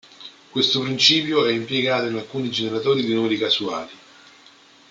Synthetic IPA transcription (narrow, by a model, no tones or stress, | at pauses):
kwest̪opɾint͡ʃiːpjoɛimpjeɡaːt̪oinalkuːnid͡ʒeneɾat̪oːɾid̪inumeɾikasua̰ːli